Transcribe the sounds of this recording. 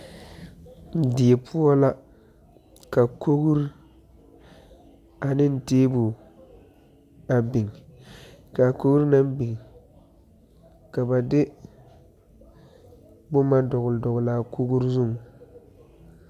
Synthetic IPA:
dɪ˨e˨pʰu˦ɔ˦la˦ | ka˨ko˦ɡu˦ɾ | a˨nɪ˦n̩˦˨teː˦bu˨ | a˨bi˨ŋ | ka˨ko˦ɡu˦ɾna˦m˦bi˨ŋ | ka˨ba˨dɪ˦ | bʊ˦ma˦dɔ˨ɣʊ˨ldɔ˨ɣʊ˨la˨kʰo˦ɡu˦ɾzʊ˦˨ŋ˨

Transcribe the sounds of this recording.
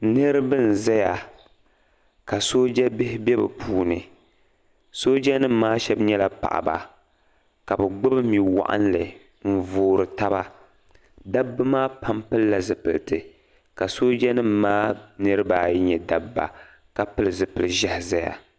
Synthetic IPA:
nɨ˦ɾbɨ˦n̩˨za˦ja˨ | ka˨so˦d͡ʒɛ˦bɪ˦hɪ˦bɛ˦bɛ̰˨pʰuː˦nɨ˨ | so˦d͡ʒɛ˦nɨ˦m̩ː˦aː˦ʃɛ˦bɲɛ˦la˨pa̰˨ʔa̰˨ba̰˨ | ka˨bɨ˨ɡ͡bɨ˦bɨ˦mi˨wa̰˨ʔa̰˦n˦lɨ˨ | m̩˨voː˨ɾɨ˨ta˦ba˦ | da˦bːɨ˦maː˦pʰa˦mpɨ˦lːa˨zɨ˨pɨ˨ltɨ˨ | ka˨so˦d͡ʒɛ˦nɨ˦m˦maː˦nɨ˦ɾɨ˦baː˦jɲɛ˨da˦bːa̰˨ | ka˨pɨ˦lɨ˨zɨ˨pɨ˨lɨ˨ʒɛ˦hɪ˨za˦ja̰˨

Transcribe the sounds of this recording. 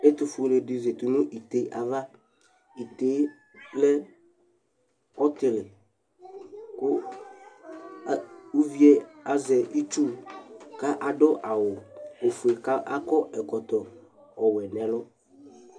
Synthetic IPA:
e˦t̪u˨fʊ˨le˨ɖɪ˨ze˨t̪u˨nʊ̃˦ʔi˨t̪e˨˦ʔa˨va˦ | i˨t̪e˨˦ | lɛ˦ | ɔ˦t̪ɪ˨lɪ˨ | kʊ˦˨ | u˦vi˦ɛ˦a˨zɛ˨i˦t͡ʃu˦ka˦ʔa˨ɖɔ˦ʔa˨wʊ˨o˨fu˨e˨ka˦ʔa˦kɔ˦ɛ˨kɔ˨t̪ɔ˨ | ɔ˨wɛ˨nɛ̃˨lɔ˦

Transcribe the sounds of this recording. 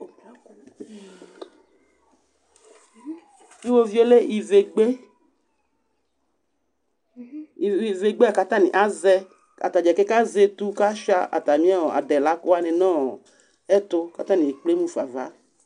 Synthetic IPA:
i˦wo˦vi˦o˦le˦i˨ve˨ɡ͡be˦ | i˨i˨ve˨ɡ͡be˦a˨ka˦t̪ã˦nḭ̃˨ʔa˦zɛ˦ | a̰˨t̪a˨d͡ʒɛ˨kɛ˦ka˦ze˦t̪u˦ka˦ʃa̰˦a̰˨t̪a˨mĩ˦a˦ɔ˨a̰˨dɛ˨la˨˦ko˦a˦nẽ˨nɔ̃˦˨ | ɛ˦t̪o˦ka˨t̪ã˦nĩ˨k͡ple˦mũ˦fa˨va̰˦

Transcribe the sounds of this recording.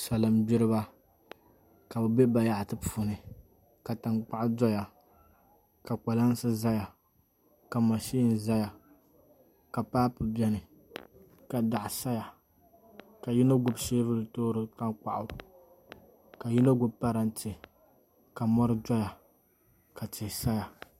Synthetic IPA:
sa˨lɨ˨mbi˦ɾɨ˦ba˦ | ka˨bɨ˨be˦ba˨ja˦˨ʔtɨ˦pu˨nɨ˨ | ka˨ta˨ŋk͡pa˦ʔʊ˦dɔ˦ja˨ | ka˨k͡pa˨la˦n˦sɨ˦za˦ja˨ | ka˨ma˨ʃiː˦˨n˨za˦ja˨ | ka˨paː˦pʊ˨bɛ˦nɨ˨ | ka˨da˨ʔsa˦ja˨ | ka˨ji˦na˦ɡʊ˦bʃeː˦vɨ˦lɨ˨toː˦ɾɨ˦ta˦ŋk͡pa̰˦˨ʔʊ˦ | ka˨ji˦na˦ɡʊ˦bpa˦ɾa˦n˦tɪ˨ | ka˨mɔ˦ɾɨ˦dɔ˦ja˨ | ka˨ti˨sa˦ja˨

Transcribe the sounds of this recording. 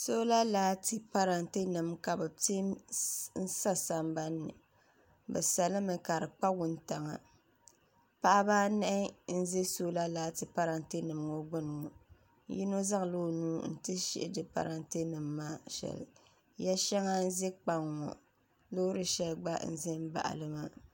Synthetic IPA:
so˦la˦laː˨˦tɨ˨pa˦ɾa˨nte˦nɨ˨mka˨bɨ˨te˦mn̩˦sa˦sa˦m˦ba˦nːɨ̰˨ | bɛ̰˨sa˨lɨ˦mɨ˨ka˨ɾɨ˨k͡pa˦wʊ˦nta˨ŋa̰˨ | pa˦ʔa˦baː˦nɛ˦ʔɪ˦n̩˦ze˦soː˦la˦laː˨˦tɨ˨pa˦ɾa˨nte˦nɨ˨m˨ŋo˦ɡ͡bʊ˦nɨ˨ŋɔ˨˦ | ji˦no˦za˦ŋ˨loː˦˨nuː˦n̩˦tɨ˦ʃḭ˦ʔɪ˦dɨ˨pa̰˨ɾa˨nte˦nɨ˨mːaː˦ʃɛ̰˨l̰ | ja˦ʃɛ˦ŋa˦n̩˦ze˦k͡pa˨ŋːɔ̰˨ | lo˦ɾɨ˨ʃɛ˨lɡ͡ba̰˦n̩̰˦˨zɛ˦m˦ba̰˨ʔa̰˨lɨ˦ma˦

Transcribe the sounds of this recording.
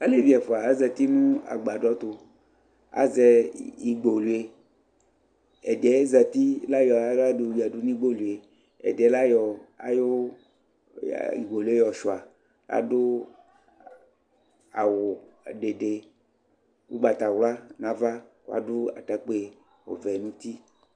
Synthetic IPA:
a˦le˦vi˨a˨fo˨a˨a˦zɛ˨t̪i˦nũ˦a̰˨ɡ͡ba˨dɔ˦t̪o˦ | a̰˦zɛ˨i˨ɡ͡bo˨lu˨e˦ | ɛ̰˨dɛ˦zɛ˨t̪i˦la˦jɔ˨˦la˦do˨wi˨a˨du˦nĩ˦ɡ͡bo˦lu˨e˨ | ɛ̰˨dɛ˨˦la˦jɔ˨a̰˦jo˦˨ | ḭ˨ɡ͡bo˨lu˦e˦jɔ˨ʃu˨a˨ | a̰˦dʊ˦ | a̰˨wʊ˨ɖe˨ɖe˨ | wu˦ɡ͡ba˨t̪a˨wla˦nã˨va˦ka̰˦dʊ˦a̰˨ta˦k͡pe˦ | o̰˨vɛ˨nũ˦t̪i˦

